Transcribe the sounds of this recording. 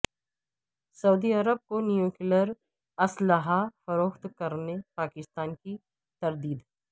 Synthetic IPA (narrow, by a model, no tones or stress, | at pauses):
sɐud̪iɐɾəb̚konijukɪləɾ | ɐsləɦafɐɾoːxt̪kɐɾnepaːkɪst̪aːnki | t̪ɐɾd̪iːd̪ɦɛ